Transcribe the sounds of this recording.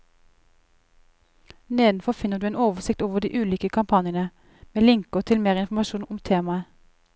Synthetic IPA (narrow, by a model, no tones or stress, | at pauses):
neːd̪n̩fɔfɪnəd̪ʉːeːnoːʋəsɪk̚t̪oːʋəd̪ḭːʔʉːliːkəkʰɑmpʰɑnɪənə | meːlɪŋkɔt̪ʰɪlmeːʁɪnfm̩ɑʃuːnʊmt̪ʰeːmɑə